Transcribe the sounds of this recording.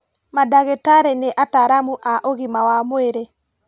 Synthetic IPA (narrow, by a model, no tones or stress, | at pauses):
madaɣetaɾeneʔataɾamuʔaʔoɣimawamoeɾe